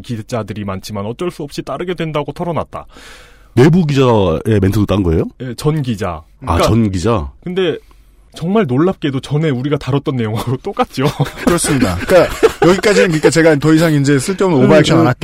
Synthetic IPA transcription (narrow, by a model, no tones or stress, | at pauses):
kit͡ɕadɯɾimant͡ɕʰimanʌt͡ɕ͈ʌɭs͈uʌp̚ɕ͈it͈aɾɯɡe̞dwe̞ndaɡotʰʌɾʌnat̚t͈a̰ | ne̞buɡid͡ʑae̞mentʰɯdot͈anŋɡʌe̞joje̞t͡ɕʌnɡid͡ʑa̰ | a̰k͈at͡ɕaʌnɡid͡ʑakɯnde̞ | t͡ɕʌŋmaɭnoɭːap̚k͈e̞dot͡ɕʌne̞uɾiɡataɾʌt̚t͈ʌnːe̞joŋɦaɾot͈ok͈at̚t͡ɕ͈iokɯɾʌs͈ɯmɲidak͈ajʌɡik͈ad͡ʑinɯnkɯik͈at͡ɕe̞ɡantʌisʰaŋind͡ʑe̞s͈ʰɯɭt͈eunɯnobaekt͡ɕʰananat̚t͈